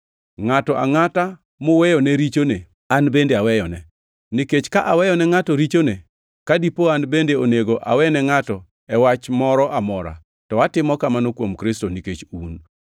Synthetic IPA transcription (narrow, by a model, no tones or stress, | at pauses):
ŋatɔʔa̰ŋata | mʊwɛjɔnɛɾit͡ʃone | anbendeawɛjɔnɛ | niket͡ʃkaʔawɛjɔnɛŋatɔɾit͡ʃone | kadipoanbendeoneɡoʔa̰wɛnɛŋatɔ | ɛwat͡ʃmɔɾɔʔamɔɾa̰ | tɔatɪmɔkamanokwomkɾɪstoniket͡ʃun